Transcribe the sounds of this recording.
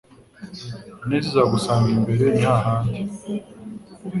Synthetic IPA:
nezezaɡusaːŋɡimbe̞ɾe̞n̥haːɦaːndi

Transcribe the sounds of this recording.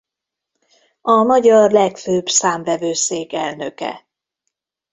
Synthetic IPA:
ɒmɒɟɒrlɛkføbsaːɱvɛvøːseːkɛlnøkɛ̰

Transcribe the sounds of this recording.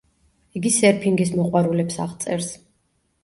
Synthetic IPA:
iɡisɛɾpʰiŋɡis̬mɔqʼwaɾulɛpsa̰ʁt̪sʼɛɾs

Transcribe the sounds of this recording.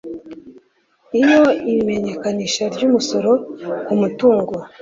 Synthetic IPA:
ijo̞iɾime̞ɲe̞kaniːʃaɾɟuːmuso̞ɾo̞kumutuːŋɡo

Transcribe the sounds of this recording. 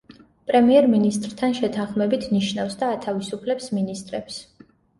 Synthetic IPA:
pʼɾɛmiɛɾminist̪ʼɾt̪ʰanʃɛt̪ʰanχmɛbit̪ʰniʃnafsd̪aːt̪ʰavisupʰlɛpsminist̪ʼɾɛps

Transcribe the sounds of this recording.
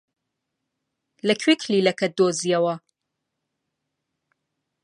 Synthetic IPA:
lɐkʰwikʰliːlɐkʰɐt̪̚d̪oːziɐwɐ

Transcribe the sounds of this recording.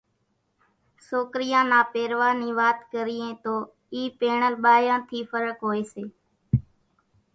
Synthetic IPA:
soːkɾɪjãːnaːpeːɾʋaːniːʋaːt̪kəɾɪːẽːt̪oː | iːpeːɳəlɓaːjãːt̪ʰiːfəɾəkɦoːeːseː

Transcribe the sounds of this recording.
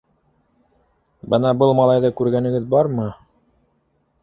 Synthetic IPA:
bɤnɑbɤlˠmɑlˠɑjðɤkʉɾɡænɘ̆ɡɘðbɑɾmɤ

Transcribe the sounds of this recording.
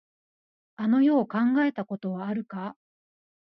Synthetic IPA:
ano̞jo̞ːkãŋɡae̞t̪ako̞t̪o̞βaːɾɯ̟ka

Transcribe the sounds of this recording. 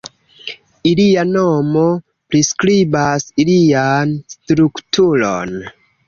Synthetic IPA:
ilianomo | pɾiskɾibasilianstɾuktʰulo̰n

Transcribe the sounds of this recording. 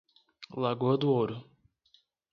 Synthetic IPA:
laɡoɐd̪ʊoɾʊ

